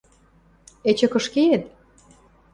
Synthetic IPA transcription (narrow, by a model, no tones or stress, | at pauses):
et͡ɕĕkɤ̆ʃkeet̪